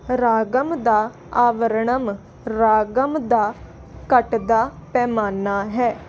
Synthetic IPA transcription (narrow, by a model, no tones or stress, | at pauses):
ɾaːɡəmd̪aː | aːʋəɾɳəm | ɾaːɡəmd̪aː | kəʈd̪aːpɛːmaːnaːɦɛː